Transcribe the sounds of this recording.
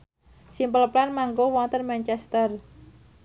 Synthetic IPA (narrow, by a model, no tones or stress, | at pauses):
simpələplanmaŋɡowɔnt̪ənmɛnt͡ʃɛst̪ər